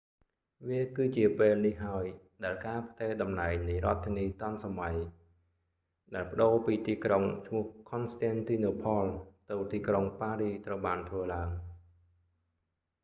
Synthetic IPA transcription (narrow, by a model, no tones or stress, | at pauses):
ʋiəkɨːt͡ɕiəpeːlnihɦaəj | ɗaɛlkaːpʰt̪eːɗɑmnaɛŋnɨjrŏət̪ʰːiəniːt̪ɑnsamaj | ɗaɛlpə̆ɗoːpiːt̪iːkroŋt͡ɕʰmʊ̆əhkʰonst̪ɛnt̪iːnoːpʰɑlt̪ɨwt̪iːkroŋpaːɾiːt̪rəwɓaːnt̪ʰʋəːlaəŋ